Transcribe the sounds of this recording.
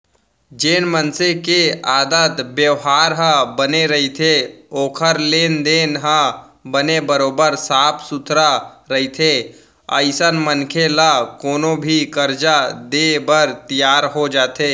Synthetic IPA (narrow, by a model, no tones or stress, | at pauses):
d͡ʒeːnmənsekeaːd̪ət̪bjəʋɦaːɾɦə̃bəneɾɐɦit̪ʰeoːkʰəɾleːnd̪eːnɦã | bənebəɾoːbəɾsaːpʰsʊt̪ʰɾaɾɐɦit̪ʰe | ə̰ɪsənmənkʰelakoːnõbʱikəɾd͡ʒad̪ebəɾt̪ijaːɾɦod͡ʒaːt̪ʰeː